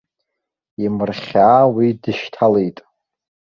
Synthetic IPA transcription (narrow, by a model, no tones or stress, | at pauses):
imɨrχʲaːwidɨʃtʰalejtʼ